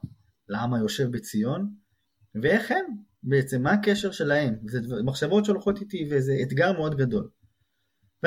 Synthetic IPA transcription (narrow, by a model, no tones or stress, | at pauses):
lamajo̞ʃe̞vbet͡sijo̞n | veeχhem | beet͡se̞mːaːke̞ʃeʁʃe̞lahe̞mzedvmaχʃavo̞t̪ʃeolχo̞t̪it̪ivezeːt̪ɡaʁmeo̞d̪ɡado̞l | ve